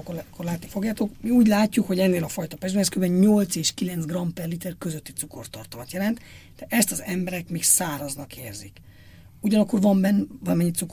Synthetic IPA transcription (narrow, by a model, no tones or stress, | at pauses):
kːkːorlaːt̪nifo̞ɡjaːt̪okmiuːɟlaːcːukho̞ɟɛnːeːlɒfɒjt̪ɒpɛʒd̪ɛɛskøɾbɛɲɲolt̪seːʃkilɛnt̪sɡrɒmpɛrlit̪ɛrkøzøt̪ːit̪sukort̪ɒrt̪omɒt̪jɛlɛnt̪ | d̪̥ɛʔɛst̪ɒzɛmbɛɾɛkmiːksaːɾɒznɒkeːrzik | uɟɒnɒkːo̞rvɒmbɛnːvɒlmɛɲːit̪suk